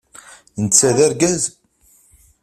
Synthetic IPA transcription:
nt͡sːæðæɾɡæz

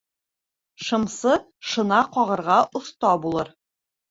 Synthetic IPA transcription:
ʃɤ̆msɤ | ʃɤ̆nɑqɒʁɤ̆ɾʁɑʔŏθt̪ɑbulˠɤɾ

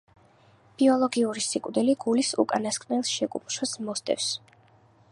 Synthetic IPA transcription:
b̥iɔlˠɔɡiuɾisikʼwd̪ɛliɡulisṵkʼanaskʼnɛlˠsʃɛkʼṵpʰʃasmɔst̪ʼɛ̰fs

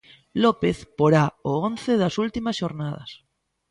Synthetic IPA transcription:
lopeθpoɾaoonθeðasult̪imasʃo̞ɾnað̞a̰s

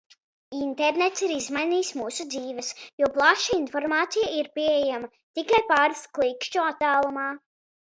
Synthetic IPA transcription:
int̪ɛɾnet̪siɾizmajniːsmuːsud̪ziːvɐsjuɔplˠaʃainfɔɾmaːt̪sijaiɾpiejamɐ | t̪ikajpaːɾsklˠikʃt͡ʃuat̪ːaːlˠumaː

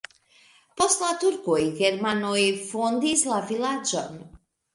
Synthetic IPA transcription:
po̞stlat̪uɾkojɡeɾmanojfond̪islavilad͡ʒo̰n

